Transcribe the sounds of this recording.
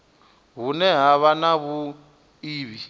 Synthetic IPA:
ɦunɛɦaβanaβu | iːβi

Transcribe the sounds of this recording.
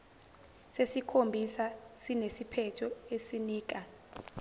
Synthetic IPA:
sesikʰombʱisasinesipʰɛtʰɔesiniːk̬a

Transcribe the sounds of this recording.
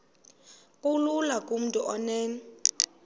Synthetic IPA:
kʼululakʼum̩tʼuʔɔnɛːn

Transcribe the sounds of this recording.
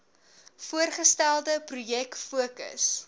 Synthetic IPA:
fuərχəstælˠdəprujɛkfuəkə̰s

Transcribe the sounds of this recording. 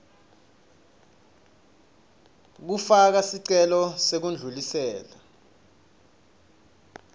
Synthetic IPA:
k̬ufak̬asiǀɛlɔsek̬und͡ɮʱulisɛːla

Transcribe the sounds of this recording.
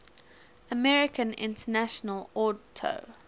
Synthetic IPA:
əmɛɹɪkʰə̃nɪ̰̃ntʰənaʃənəlɔtʰo̰

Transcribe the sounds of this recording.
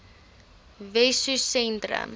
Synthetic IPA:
vɛsusɛntrə̰m

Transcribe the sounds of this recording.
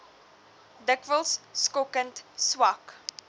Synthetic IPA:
dəkvəlˠsskɔkə̃ntswak

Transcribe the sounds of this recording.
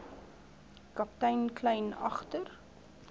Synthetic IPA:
kɐp̚tɛjnklɛjnɐχtər

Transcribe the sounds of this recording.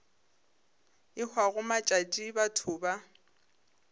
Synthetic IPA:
ɪk͡xwaɣʊmat͡ʃʼat͡ʃʼibatʰʊːba

